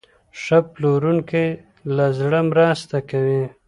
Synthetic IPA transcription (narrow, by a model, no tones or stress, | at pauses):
ʂaploɾuŋke | lazɽəmɾɑst̪akawi